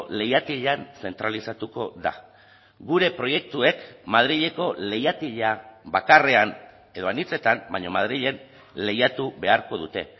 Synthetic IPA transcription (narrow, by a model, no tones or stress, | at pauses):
le̞jat̪iʎanse̞nt̪ɾalisat̪uko̞̰ða̰ | ɡuɾe̞pɾo̞je̞k̚t̪ue̞kmaðɾiʎe̞ko̞le̞jat̪iʎaβakare̞an | e̞ðo̞anit͡se̞t̪ambaɲo̞mað̞ɾiʎe̞n | le̞jat̪uβe̞aɾko̞ðut̪e̞